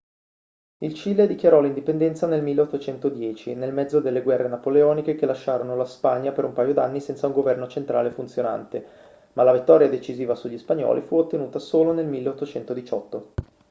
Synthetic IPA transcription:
ilt͡ʃiːled̪ikjaɾɔlind̪ipend̪ɛnt̪sanelmilːeot̪ːot͡ʃɛnt̪od̪jɛːt͡ʃinelmɛd̪zod̪elːeɡwɛrːenapoleɔːnikek̟elːaʃːaːɾonolaspaɲːapeɾumpaːjod̪anːisɛnsauŋɡovɛrnot͡ʃent̪ɾaːlefunt̪sjona̰nt̪e | malavit̪ːɔːɾjad̪et͡ʃiziːvasuʎːispaɲːɔ̰ːlifuot̪ːenuːt̪asoːlonelmilːeot̪ːot͡ʃɛnt̪od̪it͡ʃɔt̪ːo

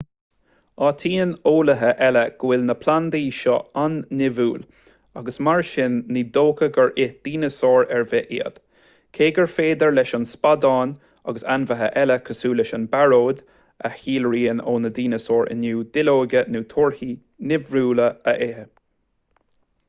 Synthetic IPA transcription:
ɑːt̪ʰiːənoːləɦəʔɛləɡ̥wɪlnəpʰland̪iːʃɔ̰anːɪvuːl | aɡəsmaɹʃɪnːiːd̪oːkʰəɡəɹʔɪhd̪̥iːnəsoːɹɛɹvɛʔiə̰d̪̥ | kʰeːɡəɹfeːd̪əɹlɛʃɔnspad̪ɑːn | a̰ɡəsanvəɦə̰ʔɛləkʰəsuːlɛʃənbaɹoːd̪ | ə̰hiːlɹiːənoːnəd̪iːnəsoːɹʔɪ̰nuːd̪ɪloːɡənuːt̪ʰoɹhi | nɪvɹuːləəʔehə

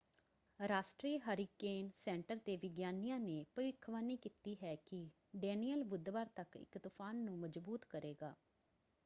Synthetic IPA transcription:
ɾaːsʈɾiːɦəɾiːkeːnsɛ̃ːɳʈəɾt̪eːʋɪɡjaːnijãːneːpəʋɪkʰːʋaːniːkiːt̪iːɦɛːkɪ | ɖɛːniːəlbʊd̪ʋaːɾt̪əkɪ̰kt̪ʊpʰaːnːũːməd͡ʒbuːt̪kəɾeːɡaː

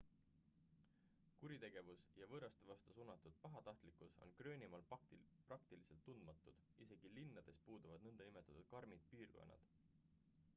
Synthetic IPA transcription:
kuɾit̪e̞ɡ̥e̞vusjɑvɤːɾɑst̪evɑst̪osuːnɑt̪ːˑud̪̥̚pɑɦɑt̪ɑht̪likuso̞̰nkrø̞ːnʲimɑːlprɑk̚t̪ilise̞lt̪ːund̪mɑt̪ːˑud̪̥ise̞ɡ̥ilinːɑd̪̥e̞spuːd̪̥uvɑd̪̥nɤnd̪ɑnime̞t̪ːˑɑt̪ud̪̥̚kɑɾmid̪̥̚piːrɡko̞̰nːɑ̰d̪̥

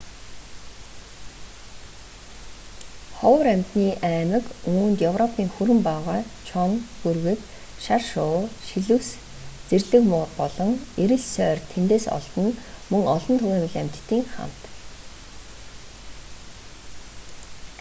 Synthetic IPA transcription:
χɔwɾæmʲt̪niːʔæːmə̆kuːnt̪jɵwrɔpʰiːŋxuɾɘ̆mpaʁaːt͡ɕʰɔŋxurɣɘ̆k | ʃarʃʊːʃiɮɘ̆ws | t͡serɮɘ̆kmʊːrpɔɮɞ̆ŋeɾɘ̆ɮsœːrt̪ʰent̪eːsɔ̰ɮt̪ɞ̆nmɵŋɔɮɞ̆nt̪ʰʊɣæːmɘ̆ɮæm̥ʲt̪t̪ːiːŋχa̰m̥t̪

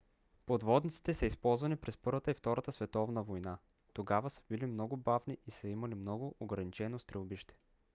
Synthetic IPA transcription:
pod̪vɔd̪nit̪si̥t̪ɛsəispɔlˠzvɐnipɾɛspɤɾvət̪əift̪ɔɾət̪əsvɛt̪ɔvnəvojna | t̪oɡavəsə̥bilimnɔɡʊbavniisəimɐlimnɔɡʊʔoɡɾɐnit͡ʃɛnost̪ɾɛlˠbiʃt̪ɛ̥

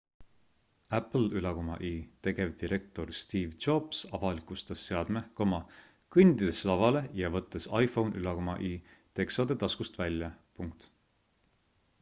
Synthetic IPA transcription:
æpl̩ylɑkomɑ̰ʔiːt̪e̞ɡ̥e̞vd̪iɾʔe̞k̚t̪o̞rst̪iːvd͡ʒob̥sɑvɑlikˑust̪ɑsːe̞ɑd̪̥mehkomɑ | kɨnd̪id̪̥eslɑvɑle̞jɑvɤt̪ːˑe̞sɑjfo̞wnʔylɑkomɑʔiː | t̪e̞ksod̪̥e̞t̪ɑskust̪vælʲːjɑpuŋkt̪

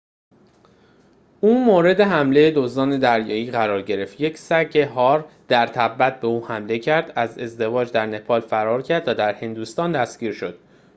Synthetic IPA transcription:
ʔuːmoːɾe̞d̪e̞ɦæmle̞jed̪ozɒːne̞d̪æɾjɒːjiːɣæɾɒːɾɟe̞ɾe̞ft̪je̞cʰsæɡeɦɒːɾd̪̥æɾt̪ʰæbːæt̪̚ʰbe̞uːhæmle̞cʰæɾd̪æze̞zd̪e̞vɒːd͡ʒd̪æɾne̞pʰɒːlfæɾɒːɾcʰæɾd̪væd̪æɾhe̞nd̪ust̪ɒːnd̪æsciːɾʃo̞d̪̥

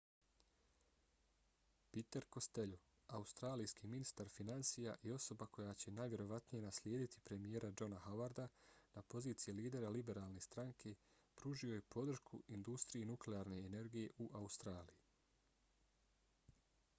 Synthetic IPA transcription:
pit̪e̞ɾko̞st̪e̞ʎo | aust̪ɾaːlijskiːminist̪aɾfinansijaʔio̞so̞bakʰo̞jaːt͡ɕe̞najʋʲje̞ɾo̞ʋat̪nije̞naslʲje̞ːd̪it̪i̥pɾe̞mijeːɾad͡ʒo̞nahawaɾd̪anapo̞ziːt̪sijiliːd̪e̞ɾalibe̞ɾaːlˠne̞st̪ɾaŋkʰe̞ | pɾuʒio̞jepʰo̞d̪r̩ʃkʰuind̪ust̪ɾijenukleaːɾne̞ːne̞ɾɡije̞ʔuʔaust̪ɾaːliji

